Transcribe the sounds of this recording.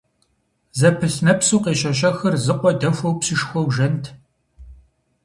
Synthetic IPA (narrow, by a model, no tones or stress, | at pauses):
zɐpʰɨɬnɐpsuːqeːʃɐʃɐxɐrzɨqʷɔdɐfʷɔwpsɪʂxʷɔwʒɐntʰ